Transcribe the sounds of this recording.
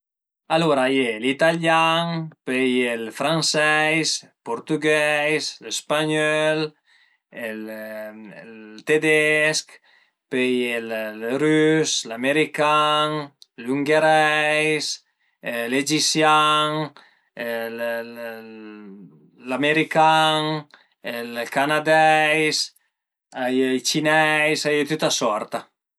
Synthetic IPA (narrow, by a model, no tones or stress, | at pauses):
aluɾajelit̪aljaŋpejelfɾansɛjspoɾt̪yɡɛjslespaɲɔl | el | t̪ed̪ɛsk | pejellɾyslameɾikaŋluŋɡeɾɛjs | led͡ʒisjaŋ | el | lameɾikaŋ | elkanad̪ɛjs | ajlt͡ʃinɛjsajət̪ut̪asɔɾt̪a